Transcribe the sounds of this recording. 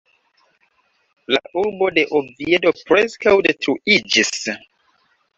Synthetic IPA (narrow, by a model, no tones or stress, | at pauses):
la̰ʔuɾbo̞de̞ʔobviedo̞pɾeskawde̞tɾuid͡ʒis